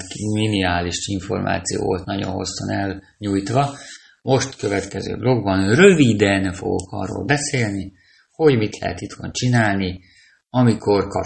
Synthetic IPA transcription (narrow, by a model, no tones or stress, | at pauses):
miniaːliʃiɱfo̞̰rmʔa̰ːt̪sijo̰ːvolt̪nɒɟo̞̰nɦo̞̰sːo̰nɛl | ɲujt̪ʋɒ | mo̞ʃt̪kø̞vɛt̪kɛzø̰ːblo̞ɡ̚bɒnrøvid̪ɛnfo̞̰ɡo̞kʰɒ̰rːo̰ːlbɛseːlni | ho̞ɟmit̪lɛ̰ɦɛ̰t̪it̪ʋɒnt͡ʃinaːlni | ɒmikʰo̞rkɒ̰